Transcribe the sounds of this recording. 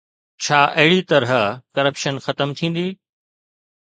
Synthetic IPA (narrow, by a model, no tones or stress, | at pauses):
t͡ɕʰaːʔɐɦɪɽit̪ɐɾɦəkɐɾəpʃənxɐt̪əmt̪ʰĩːn̆d̪iː